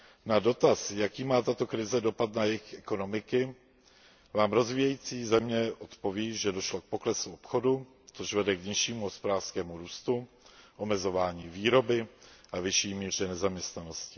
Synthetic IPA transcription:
nado̞t̪asjakiːmaːt̪at̪o̞kɾɪzɛdo̞pat̪najɛxʔɛko̞no̞mɪkɪ | vaːmɾo̞zviːjɛjiːt͡siːzɛmɲɛʔo̞t̪po̞viːʒɛdo̞ʃlo̞k̚po̞klɛsuopxo̞du | t͡soʃvɛdɛkɲɪʃiːmuɦo̞spodaːrskɛːmuɾuːst̪u | ʔo̞mɛzo̞vaːɲiːviːɾo̞bɪʔavɪʃiːmiːr̝ɛnɛzamɲɛst̪nano̞scɪ̥

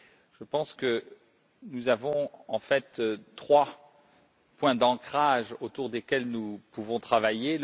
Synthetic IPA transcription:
ʒ̥əpɑ̃skə | nuzavɔ̃ɑ̃fɛt̪t̪χwa | pwɛ̃d̪ɑ̃kχaʒot̪uʁd̪ekʲɛlnupuvɔ̃t̪χavajel

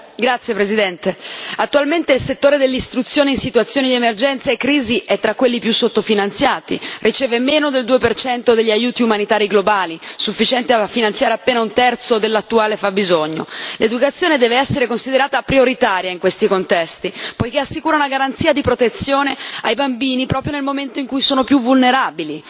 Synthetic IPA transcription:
ɡɾat̪sjepɾezid̪ɛnt̪eat̪ːualment̪eilset̪ːoːɾed̪elːist̪ɾut̪sːjoːneinsit̪uat̪sːjoːnid̪iemerd͡ʒɛnt̪saekːɾiːziʔɛt̪ːɾakːwelːipjusːot̪ːofinant̪sjaːt̪ḭrʔit͡ʃɛːvemeːnod̪eld̪uːepert͡ʃɛnt̪od̪eʎːiajuːt̪iumanit̪aːɾiɡlobaːlisufːit͡ʃɛnt̪eaafːinant̪sjaːɾeapːeːnaunt̪ɛrt̪sod̪elːat̪ːuaːlefabːizoɲːo̰led̪ukat̪sːjoːned̪ɛːveɛsːeɾekonsid̪eɾaːt̪apɾioɾit̪aːɾjaiŋkwest̪ikont̪ɛst̪ipojk̟easːikuːɾaunaɡaɾant̪siːad̪ipɾot̪et̪sːjoːneajbambiːnipɾɔːpɾjonelmoment̪oiŋkujsoːnopjuvulneɾaːbili

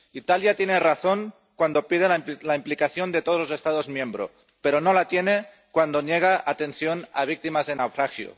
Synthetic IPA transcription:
it̪aljat̪jeneraθoŋ | kwand̪o̞pið̞ellaimplikaθjond̪e̞t̪ozlose̞st̪aðozmjẽmbɾo | peɾonolat̪jene | kwand̪onjeɣ̞aʔat̪e̞nθjona̰βik̚t̪imazðenawfɾaxjo̰

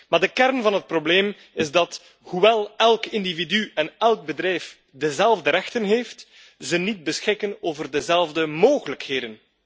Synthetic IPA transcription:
maːrdəkɛrnvɑnɦət̚probleːm | ɪzdɑt | huwɛlˠɛlˠkɪndividyɛnɛlˠɡ̚bədɾɛjf | dəzɛlˠvdəɾɛxtənɦeːft | zənid̚bəsxɪkənoːvərdəzɛlˠvdəmoːɣələkheːdən

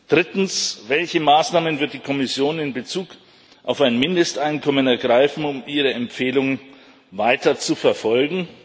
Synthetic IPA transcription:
d̥ʁɪtn̩svɛlçəmaːsnaːmənvɪɐt̚d̥iːkʰɔmɪsjoːnɪnbət͡suːk | ʔaʊfaɪnmɪndəstʔaɪnkʰɔmənɛɐɡʁaɪfn̩ʊmʔiːʁ̞əɛmpfeːlʊŋən | vaɪtɐt͡sufɛɐfɔlɡŋ̩

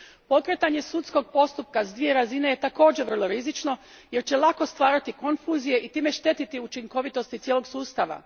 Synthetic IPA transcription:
po̞kɾet̪aɲe̞sut̪sko̞ɡ̚po̞st̪up̚kazd̪ʋije̞ɾazineje̞t̪ako̞ːd͡ʑeʋr̩lˠo̞ɾizit͡ʃno̞ | je̞ɾt͡ɕe̞lako̞st̪ʋaːɾat̪iko̞nfuːzije̞ʔit̪iːme̞ʃt̪e̞t̪it̪iut͡ʃiŋko̞ʋit̪o̞st̪it̪jelo̞ɡsuːst̪aʋa̰

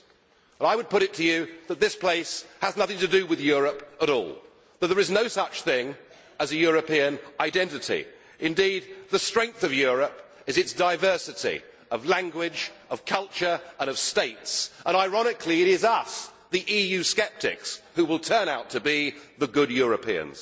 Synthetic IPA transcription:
ə̃ɾaɪwɨd̚pʊɾɨtʰɨjɨðɨt̪̚ðɪspʰl̥eɪshəznʌθɪ̃ŋtɨdɨwɨðjʊɹɨpəɾɔ̰lˠ | ðət̪̚ðə˞ɨznoʊsʌt͡ʃθɪ̃ŋ | əzɨjʊɹɨpiɨ̃nʔaɪdɛ̃ntɨɾḭ | ʔɨ̃ndid̪̚ðɨstɹ̥ɛ̃ŋk̚θʌvjʊɹɨp | ɨzɨtsd̥aɪvɜ˞sɨɾḭ | ʌvlæ̃ŋɡwɪd͡ʒʌv̥kʰʌlˠt͡ʃə˞ə̃ñʌv̥steɪtsʔə̃ñaɪɹɑnɨkʰliɨɾɪzʌs | ðiʔijʉskɛp̚tɪ̰kshuwəlˠtʰɜ̃˞naʊtʰɨbiðəɡʊd̚jʊɹɨpʰḭɨ̰̃nz̥

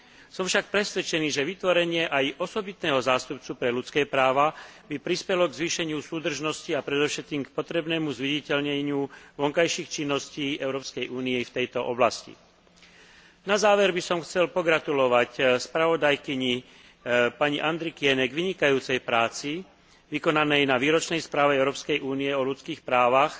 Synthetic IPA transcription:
sɔmfʃak̚pɾɛsʋɛt͡ʃɛniːʒɛʋit̪ʋɔɾɛɲɪɛʔajʔɔsɔbit̪nɛːɦɔzaːst̪up̚t͡supɾɛlut͡skɛːpɾaːʋabipɾispɛlɔɡzʋiːʃɛɲɪusuːd̪r̩ʒnɔsciapɾɛd̪ɔfʃɛt̪̚kiːmk̚pɔt̪ɾɛbnɛːmuzʋiɟicɛʎɲɛɲɪuʋɔŋkajʃiːxt͡ʃinːɔsciːʔɛʊɾɔːpskɛjʔuːniɛft̪ɛjt̪ɔʔɔblascḭ | nazaːʋɛɾbisɔmxt͡sɛlpɔɡɾat̪ulɔʋacspɾaʋɔd̪ajkiɲi | paɲiʔand̪ɾikɪɛnɛɡʋiɲikajuːt͡sɛjpɾaːt͡si | ʋikɔnanɛjnaʋiːɾɔt͡ʃnɛjspɾaːʋɛɛʊɾɔːpskɛjʔuːniɛɔʎut͡skiːxpɾaːʋax

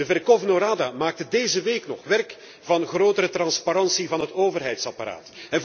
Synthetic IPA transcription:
dəvɛrkovnoɾaːdamaːk̚tədeːjzəʋeːknɔχʋɛrk | v̥ɑnɣroːtəɾətrɑnspaɾɑnsivɑnɦətoːvərɦɛjtsɑpaɾa̰ːtɛn

